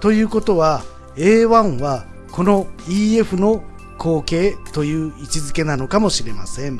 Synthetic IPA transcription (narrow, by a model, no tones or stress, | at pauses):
t̪o̞jɯ̟ːko̞t̪o̞βa | e̞ːβãɰ̃βa | ko̞no̞iːe̞ɸɯ̟no̞ | kʰo̞ːke̞ːt̪o̞jɯ̟ːit͡ɕizɨke̞nano̞kamo̞ɕiɾe̞masẽ̞ɴ